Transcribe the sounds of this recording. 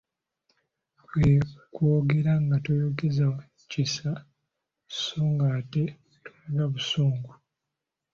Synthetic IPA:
kwekwoːɡe̞ɾaŋɡatojoɡeza | cisa | soːŋɡaːte̞ | tolaɡaβusuːŋɡu

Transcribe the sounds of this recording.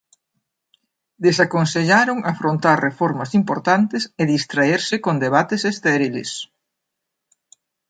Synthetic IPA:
d̪esakonseʎaɾoŋʔafɾõnt̪aɾrefɔɾmɐsimpoɾt̪ant̪ɪseðist̪ɾaeɾsɪkond̪eβat̪esest̪ɛɾilḛs

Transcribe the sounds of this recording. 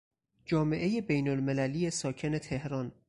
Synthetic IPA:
d͡ʒɒːme̞ʔe̞je̞bejnolme̞lælije̞sɒːcʰe̞ne̞t̪ʰe̞hɾɒn

